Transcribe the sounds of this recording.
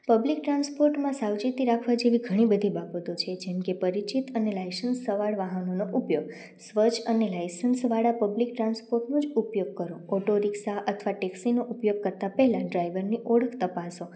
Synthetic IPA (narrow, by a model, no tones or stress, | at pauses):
pəblik̚ʈɾãnspoɾʈmãsawd͡ʒit̪iɾakʰʋad͡ʒeʋiɡʱəɽ̃ibəd̪ʱibabət̪ot͡ʃʰed͡ʒemkepəɾit͡ʃit̪ənelajsənsːəʋaɭʋaɦənonoʔupjoɡ | sʋət͡ʃʰənelajsənsʋaɽapəblik̚ʈɾanspoɾʈnõd͡ʒupjoɡ̚kəɾoɔʈoɾiksaʔət̪ʰʋaʈɛksinoʔupjoɡ̚kəɾt̪apɛɦlãɖɾajʋəɾniʔoɽəkʰt̪əpaso